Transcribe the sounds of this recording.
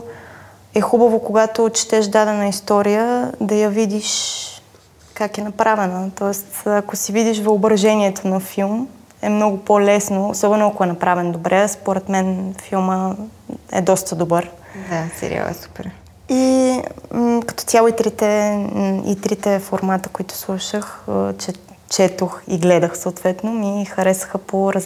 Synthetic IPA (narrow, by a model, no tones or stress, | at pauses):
ɛxubəvokoɡat̪ot͡ʃi̥t̪ɛʃd̪ad̪ɛnəist̪ɔɾijəd̪ɐjɐvid̪iʃ | kakɛnɐpɾavɛnət̪ɔɛst̪ɐkosivid̪iʃvɐobɾɐʒɛniɛt̪ʰonɐfilˠm | ɛmnɔɡʊpolɛsnoo̰sɔbɛnoakoɛnɐpɾavɛnd̪obɾʔɛspoɾɛt̪mɛnfilˠmə | ɛ̰d̪ɔst̪əd̪obɤɾ | d̪asɛ̰ɾḭa̰lˠɛ̰su̥pɛ̰ɾ | i | kɐ̥t̪ɔ̥t̪ʲjalˠoit̪ɾit̪ɛ | ḭt̪ɾit̪ɛfoɾmat̪ə̥koit̪ʊ̥slˠuʃəxt͡ʃɛ | t͡ʃɛt̪oxiɡlɛd̪əxsooːt̪vɛt̪nomixɐɾɛsə̥xəpoɾɐz